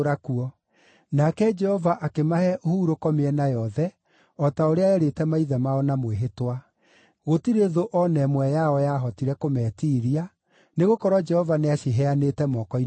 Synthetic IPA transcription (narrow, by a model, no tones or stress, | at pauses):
ɾakuɔ | nakɛd͡ʒɛhɔvaʔakemahɛʔohuɾokɔmeɛnajɔðɛ | ɔtaoɾeaɛɾetɛmaiðɛmaɔnamweɦetwa | ɣotiɾeðoʔɔnɛmwɛjaɔjaɦɔtiɾɛkomɛːtiːɾia | neɣokɔɾwɔd͡ʒɛhɔvaneaʃiɦɛanetɛmɔkɔi